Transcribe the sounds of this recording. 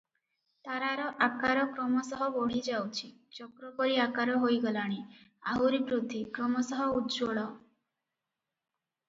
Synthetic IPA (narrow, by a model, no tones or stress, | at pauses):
t̪aɾaɾɔʔakaɾɔkɾɔmɔsɔɦɔbɔɽ̤id͡ʒawt͡ʃʰit͡ʃɔkɾɔkɔɾiakaɾɔɦojɡɔlaɽ̃iaɦuɾibɾud̪ʱːikɾɔmɔsɔɦɔudd͡ʒoɭɔ